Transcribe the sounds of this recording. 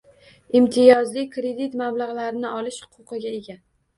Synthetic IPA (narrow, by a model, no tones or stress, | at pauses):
imt̪ʰɪjɒzlɪkɾe̞d̪it̪mablaʁlaɾɪnɪɒlɪʃhʊ̥qʰʊqʰɨɡʲae̞ɡʲa